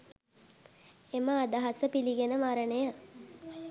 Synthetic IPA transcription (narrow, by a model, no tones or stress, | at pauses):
eməːd̪aɦasəpiliɡenəmaɾənəja